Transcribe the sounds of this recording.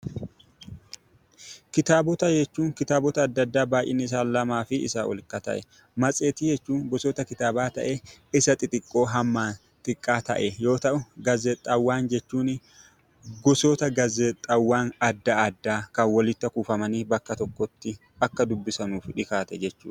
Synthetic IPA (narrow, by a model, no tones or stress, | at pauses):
kɪt̪aːbɔt̪ɐd͡ʒɛt͡ʃːuːŋkɪt̪aːbɔt̪ɐːd̪ːɐd̪ːaːbaːʔɪ̰nːɪɪs̬aːnlɐmaːfɪɪ̰saːʔɔ̰lkɐt̪ɐ̰ʔɛ | mɐt͡sʼe̞ːt̪iːd͡ʒɛt͡ʃːuːnɡɔsoːt̪ɐkɪt̪aːbaːt̪ɐ̰ʔeɪsɐt̪ʼɪt̪ʼɪkʼːo̞ːɦɐmːaːn | t̪ʼɪkʼːaːt̪ɐ̰ʔɛjo̞ːt̪ɐʔʊɡɐzɛt̪ʼːɐwːaːnd͡ʒɛt͡ʃːuːn | ɡɔsot̪ɐɡɐzɛt̪ʼːɐwːaːnɐd̪ːɐːd̪ːaːkɐnwɔlɪt̪ːɐkuːfɐmɐniːbɐkːɐt̪ɔkːɔt̪ːɪ | ɐkːɐd̪ʊbːɪsɐnuːfᶑɪkaːt̪ɛd͡ʒɛt͡ʃːṵː